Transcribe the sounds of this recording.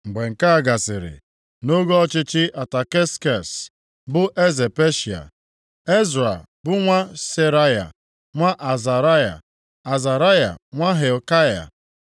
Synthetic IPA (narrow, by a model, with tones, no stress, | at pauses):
ŋ͡m̩˨ɡ͡be˨ŋ̩˨ka˦a˨ɡa˨sɪ˨ɾɪ̰˨ | no˦ɡo˦ɔ˦t͡ʃɪ˦t͡ʃɪ˦ʔa˨ta˨ke˦ska˨s | bʊ˦ʔe˦ze˨pe˦ʃi˨a̰˨ | e˦zɾa˨ | bʊ˦ŋʷa˦se˦ɾa˦ja̰˨ | ŋʷa˦ʔa˨za˨ɾa˦ja̰˨ | a˨za˨ɾa˦ja̰˨ŋʷa˦ɦe˨lka˦ja̰˨